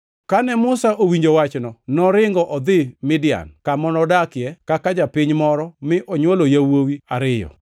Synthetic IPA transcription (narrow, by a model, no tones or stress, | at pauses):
kanɛmʊsaʔowiɲd͡ʒowat͡ʃnɔnɔɾɪŋɡɔʔɔd̪ɪmɪdɪa̰nkamɔnɔdakɪjɛkakad͡ʒapɪɲmɔɾɔmɪʔɔɲwolojawowiaɾɪjɔ̰